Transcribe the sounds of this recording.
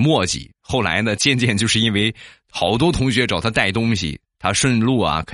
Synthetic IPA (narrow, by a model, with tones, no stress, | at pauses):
mwɔ˥˩t͡ɕḭ˨˩˦xo˥˩ʊla̰˧˥ɪd̪ə˧t͡ɕjɛ˥˧nt͡ɕjɛ˥˧nt͡ɕjo˥˧ʂɻ̩˥˩i˥nwe˥˩ɪ | xɑ˨˧˩ʊt̪wɔ˥t̪ʰʊ˧˥ŋɕɥɛ˧˥ʈ͡ʂɑ˨˩ʊt̪ʰa˥t̪a˥˩ɪt̪ʊ˥ŋɕḭ˨t̪ʰa˥ʂwə˥˧nlu˥˩ɐ̰˩kʰ